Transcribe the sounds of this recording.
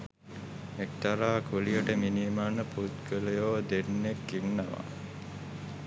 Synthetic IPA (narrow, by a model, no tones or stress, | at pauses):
ek̚t̪aɾaːkʰulijəʈəminimanəput̪kələjoːd̪enːekːiŋnaʋa̰